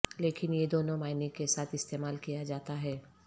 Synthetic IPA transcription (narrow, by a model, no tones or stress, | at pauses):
leːkɪnjed̪oːnõmaːɪnikesaːt̪ʰɪst̪eːmaːlkijad͡ʒaːt̪aɦɛː